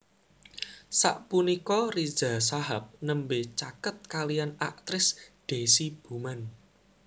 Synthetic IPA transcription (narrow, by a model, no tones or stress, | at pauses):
sa̰ʔpunikɔri̥z̥a̤saɦap̚nəmbet͡ʃakət̪̚kalijana̰k̚t̪ɾɪsd̪̥e̤sib̥ṳman